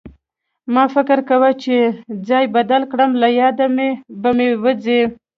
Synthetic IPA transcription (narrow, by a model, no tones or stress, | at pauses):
mɑfɪkɪɾkawət͡ʃed͡zɑjbad̪alkɽəmlajɑd̪amebamewəd͡ze